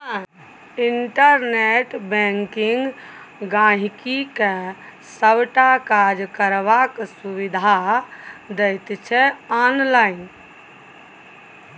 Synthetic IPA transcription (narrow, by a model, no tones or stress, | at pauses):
ã | inʈəɾneʈbɛ̃ŋkiŋɡ | ɡãɦikike | səbʈakad͡ʒkəɾbaksubid̪ʱa | d̪əjt̪t͡ʃʰɛɔnlain